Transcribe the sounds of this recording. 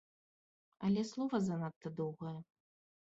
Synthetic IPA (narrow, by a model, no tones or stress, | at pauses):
ɐlʲɛslˠɔvɐzɐnat̪ːɐd̪ɔwɣɐjɐ